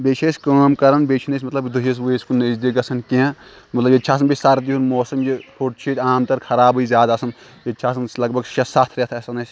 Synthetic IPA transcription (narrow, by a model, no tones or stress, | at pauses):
beːt͡ʃʰesʲkəːmkɐɾɐnbet͡ʃʰinɐsʲmɐt̪lɐbd̪uɦis̬wueskunɐzd̪iɡɐsʰɐnkẽã | mɐt̪lɐbjet͡ʃʰaːs̬ɐnbisaɾd̪iɦunmoːsɐmjihʰoʈt͡ʃʰiːt̪ʲaːmt̪ɐɾkʰɐɾaːboizjaːd̪asɐn | jɐt͡ʃʰaːsɐnslɐɡbɐɡʃɐsaːt̪ʰɾet̪ʰɐsɐnɐsʲ